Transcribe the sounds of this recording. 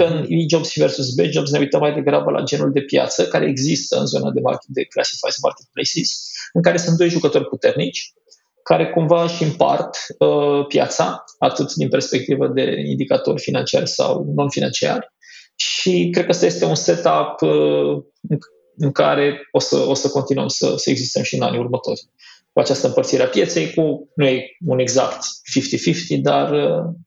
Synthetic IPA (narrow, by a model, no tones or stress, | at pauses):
əɨnid͡ʒobsiversus̬bed͡ʒobsne̞ujt̪əmːajd̪e̞ɡɾabəlʔa̰d͡ʒenuld̪e̞pja̰t̪səkaɾe̞̰eɡzist̪əɨ̰nzo̞nad̪e̞ma̰rkʲet̪̚d̪e̞klasi̥fa̰jsma̰rt̪it̪̚plejsisɨŋkaɾe̞sunt̪̚d̪o̞jʒukət̪o̞rʲput̪e̞rnit͡ʃʲ | kaɾe̞kumvaʃimpa̰rt̪əpja̰t̪saat̪ɨt̪d̪inpe̞rspe̞k̚t̪ivəd̪e̞̰ḭnd̪ikat̪o̞̰rʲfinant͡ʃiarʲsa̰wno̞nfina̰nt͡ʃia̰rʲ | ʃikɾe̞d̪kəast̪aje̞st̪e̞unse̞t̪ap | ɨ | ɨŋkaɾe̞o̞sə̰o̞səko̞nt̪inuə̰msə̰səe̞ɡzist̪əmʃiɨna̰nʲurmət̪o̞̰rʲ | kuat͡ʃast̪əɨmpərt̪siɾeapje̞t̪se̞jkunujeune̞ɡza̰kt̪fift̪ifift̪id̪arə